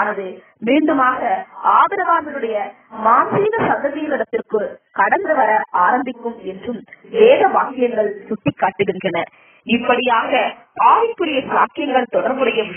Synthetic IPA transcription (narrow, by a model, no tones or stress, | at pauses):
nɐðɯ | miːɳɖɯmaːɣɐaːbɐɾɐʋaːmɪlɯɽɐjɐ | maːnsiːɣɐsɐnd̪ɐðijɐlɪɽɐt̪ːɪrkɯkɐɽɐnd̪ɯʋɐɾɐʔaːɾɐmb̪ɪkːɯmɛndrɯmʋeːðɐʋaːkɪjɐŋɡɐɭsʊʈːɪkːaːʈːɯɣɪndrɐnɐ | ɪpːɐɽɪjaːɣɐpaːʋɪkːɯɾɪjɐsɪla̰ːkɪjɐŋɡɐɭt̪ɔɽɐɾbɯɽɐjɐ